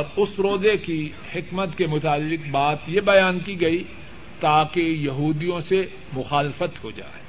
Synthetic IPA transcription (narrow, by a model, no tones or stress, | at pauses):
ɔɾʊsɾoːzeki | hɪkmət̪kemʊt̪aːlːɪk̚baːt̪jebɐjaːnkiɡɐi | t̪aːkejɐɦuːd̪ijõse | mʊxaːlɪfət̪hod͡ʒa̰ːe